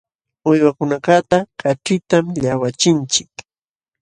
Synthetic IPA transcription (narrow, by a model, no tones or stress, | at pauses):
ʊjwakʊnakat̪akaʈ͡ʂɪt̪amʎawat͡ʃɪnt͡ʃɪk